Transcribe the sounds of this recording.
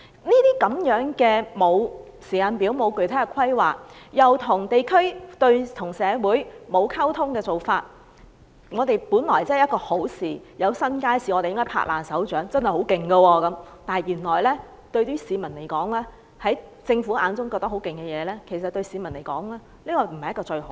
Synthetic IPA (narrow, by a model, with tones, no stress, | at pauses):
niː˥t̪iː˥kɐ˨˥mjœː˨˥ŋkɛː˧mo˨˧w | siː˨˩aː˨˧npiː˨˥wmo˨˧wkɵ˨˩ɥt̪ʰaː˥˨˩kʷʰɐ˥jwaː˨k̚jɐ˨wt̪ʰʊ˨˩ŋt̪e˨jkʰɵ˥ɥt̪ɵ˧ɥt̪ʰʊ˨˩ŋsɛː˨˧wuː˨˥jmo˨˧wkʰɐ˥wt̪ʰʊ˥ŋkɛː˧t͡so˨wfaː˧t̚ | ŋɔː˨˧t̪e˨jpuː˨˥nlɔː˨˩jt͡sːjɐ˥tkɔː˧ho˨˥wsiː˨˩jɐ˨˧wsɐ˥nkaː˥jsiː˨ŋɔ˨˧te˨jɪ˥ŋkɔ˥pʰa̰ː˧˥ʔ̚laː˨˩nsɐ˨˥wt͡ʃœː˨˥ŋt͡sɐ˥nhjho˨˥wkɪ˨˩ŋɡɐ˧wɔː˧kɐ˨˥mt̪aː˨˩jyː˨˩nlɔː˨˩jlɛː˥ | t̪ɵ˧ɥt̪yː˥siː˨˧mɐ˨˩nle˨˩jkɔː˨˥ŋlɛː˥ | hɐ˨˥jt͡sɪ˧ŋfuː˨˥ʔa̰ː˨˧nt͡sʊ˥ŋkɔː˧t̪ɐ˥hɦwkɪ˨ŋkɛ˧jɛː˨˧lɛː˥kʰe˨˩js̬ɐ˨t̚t̪ɵ˧ɥsiː˨˧mɐ˨˩nle˨˩jkɔ̰ː˨˥ŋɛː˥ | liː˥kɔː˧m̩˨˩hɐ˨jɐ˥kɔː˧t͡ʃɵ˧ɥho˨˦